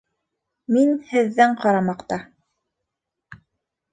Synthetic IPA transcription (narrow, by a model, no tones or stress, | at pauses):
minhɘ̆ðːæɴqɑɾɑmɑqt̪ɑ